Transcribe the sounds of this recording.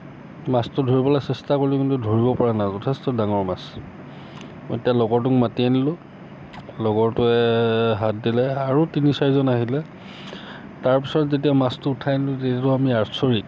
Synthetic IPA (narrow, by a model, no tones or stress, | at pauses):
mastʊdʱoɹibɔlasɛstakoɹikintʊdʱoɹibɔpɔɹanazɔtʰɛstɔdaŋɔɹmas | mɔjetijalɔɡɔɹt̬ʊkmatianilʊ̃ | lɔɡɔɹtʊɛɦat̚dilɛaɹutinisaɹizɔnaɦilɛ | taɹpisɔtzetiamastʊːtʰajnilʊteatʊamiaɹsoɹi